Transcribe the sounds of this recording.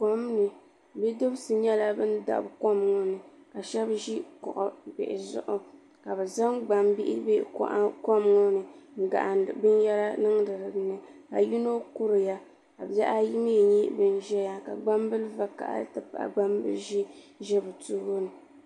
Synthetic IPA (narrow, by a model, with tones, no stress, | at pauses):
ka˦mnɨ˨ | bɛ˦do˦bsɨ˨ɲɛ˦la˦bɨ˦n˦da̰˨ʔbka˦m˦ŋo˦nɨ˨ka˨ʃɛ˦bʒi˦kɔ̰˨ʔɔ˨bḛ˨ʔɪ˨zʊ̰˦˨ʔʊ˦ | ka˨bɛ˨za˦ŋɡ͡ba˨mbɪ˦ʔɪ̰˦be˦ka˦m˦ŋo˦nɨ˨ɡa̰˨ʔn˨bɨ˦n˦jɛ˦ɾa˦nɨ˦ŋ˦dɨ˨ɾɨ˨nɨ˨a˨ji˦no˦ku˦ɾɨ˨ja˦ | ka˨bɛ˦ʔa˦ji˦m˦jɛ˨ɲi˦bɨ˦n˦ʒɛ˦ja˨ka̰˨ɡ͡ba˦mbɨ˦lɨ˦va˦ka̰˨ʔa̰˦tɨ˨pa̰˨ʔɡ͡ba˦mbɨ̰˦lʒi˦ʒɛ˦bɨ˨tu˦ɡo˦nɨ˨